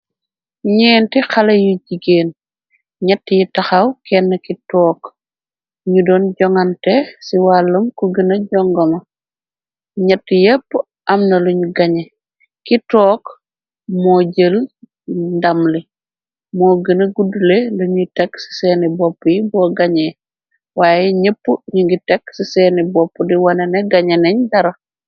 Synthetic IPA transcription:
ɲɛːntixɐlɐjuɟiɡeːn | ɲɐtːijitɐxɐwkɛnːɐkitɔːk | ɲudɔːnɟɔŋɐntɛsiwalːumkuɡənɐɟɔŋɡɐmɐ | ɲɐtːijɛpː | ʔɐmnɐluɲuɡɐɲɛ | kitɔːk | moːɟəl | ndamli | moːɡənɐɡuduleluɲitɛksi̥senibopːujibɔːɡaɲe | waːjɛɲepːuɲuŋɡitɛksisenibɔpːudiwaneneɡaɲenɛɲdɐɾɐ

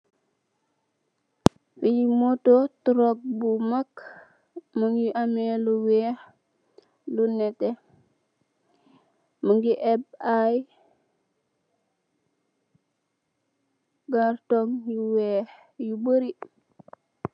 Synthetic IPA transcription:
fijimototuɾok̚bumak | muŋɡiʔameluweh | lunete | muŋɡiʔebaj | ɡaɾtoŋjuwe | jubəɾi

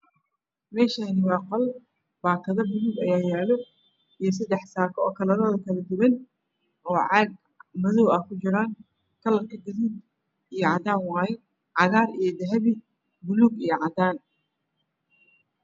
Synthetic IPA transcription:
mɛːʃɐnɪwɑːqɔl | b̥aːk̪ʰɐðɐbʊluːɡɐjaːjɛːlɔ | ijɞs̬ɐd̪ɛħsaːkʰɔɔːkʰɐlɐɾɐlɐkʰɐlɐd̪ʊβɛn | ɔːʕɑɡ | mɐðɔːwɐkʰʊt͡ʃɪɾaːŋ | kʰɐlɐrkʰɐɡ̪ɐɾiːd̪ | ijɔʕɑd̪aːŋwɑːjɪ | ʕɑɣaːɾijɞd̪ɐɦɐβi | bʊluːɡijɞʕɑd̪aːn

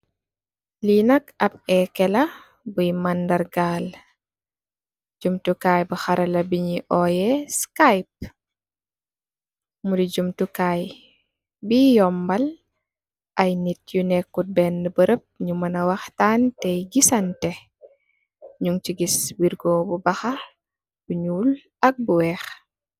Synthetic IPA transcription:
linɐkɐbɛkɛlɐ | bujmandɐɾɡaːl | d͡ʒumtukaːjbuxaɾɐlɐbiɲiʔɔjɛskajp̚ | mudid͡ʒumtukaj | bijɔmbɐl | ʔɐjnit̚junɛkːut̚bɛndəbəɾəp̚ɲumɐnɐwɐxtaːntɛjɡisɐntɛ | ɲuŋt͡ʃiɡiswiɾɡɔbubɐxɐ | buɲuːl | ɐk̚buwɛx

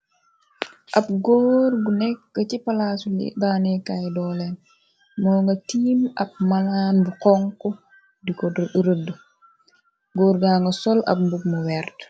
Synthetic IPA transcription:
ʔɐp̚ɡoːɾɡunɛkːɐcipɐlaːsulḭdaːnɛkajdɔːlɛn | mɔːŋɡɐtiːmɐp̚mɐlaːnbuqɔŋkɔ | dikɔdɾədə | ɡoːɾɡaːŋɡɐsɔlɐ̰p̚mbuk̚muwɛːrt

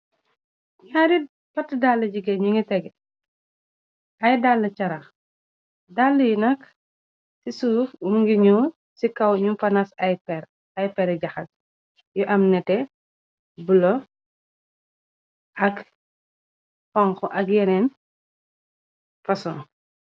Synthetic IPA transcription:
ɲaːɾi | pɐtːədalːɐɟiɡɛɲuŋɡitɛɡɛ | ɐjdalːɐt͡ʃɐɾɐx | dalːɐjunɐk | sisufumɡiɲu | sikɐwɲumfɐnasɐjpɛɾ | ɐjpɛɾɛɟɐxɐt̚ | jɔʔɐmnɛtɛ | bulɔ | ʔɐk | fɔŋkɔʔɐk̚jɛnɛn | fɐsɔn

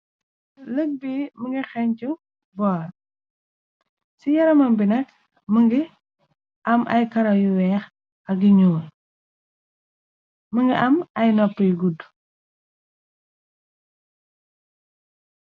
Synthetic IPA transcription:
ləɡ̚biməŋɡixɛɲt͡ʃu | bɔːr | sijɐɾɐmɐmbinɐk | məŋɡi | ʔɐmʔɐ̰jkɐɾɐjuwɛːx | ɐɡ̚ɡiɲuːl | məŋɡiʔɐmɐjnɔpːəjɡud

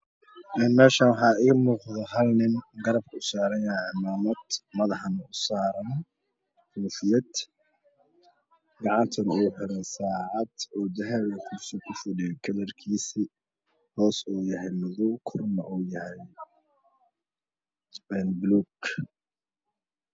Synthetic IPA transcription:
ʔɛːnmɛːʃaːnwɑħɑːɪɣɐmuːqðɐɦɐlnɪnɡɐɾɐb̚kʰɐʊsaːɾɐjɐʕɪmaːmɐd̪mɐðɑħnʊsaːɾɐn | fuːfɪjɐd̪ | ɡɑʕɑnt̪ʰɐnuːħɪɾɛsaːʕɑd̪ɔːd̪ɐɦɛβɛkʰusɔkʰʊfʊdɛjkʰɐðɐrkʰiːsiː | hɔːsuːjɐɦɛjlɐðukʰʊrnɐʔuːjɐhɛj | ɛnbluːɡ

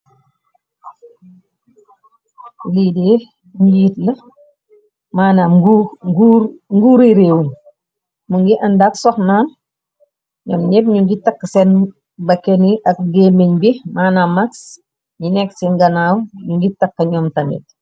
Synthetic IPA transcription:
liːdeː | ɲujiːtlɐ | maːnaɡuɡuɾŋɡuːɾiɾeːwun | muŋɡiʔɐndaksɔxnaːn | ɲɔːmɲepɲuŋɡitɐkːsen | bɐkeniʔɐk̚ɡemeɲbimaːnamaks | ɲinɛksiŋɡɐnaːwɲuŋɡitɐkːɐɲɔːmtɐmḛt̚

